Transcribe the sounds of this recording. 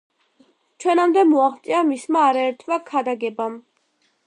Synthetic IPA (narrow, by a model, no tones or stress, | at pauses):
t͡ʃʰwɛnamd̪ɛmɔaχt̪sʼiamismaːɾaɛɾt̪ʰvakʰad̪aɡɛbam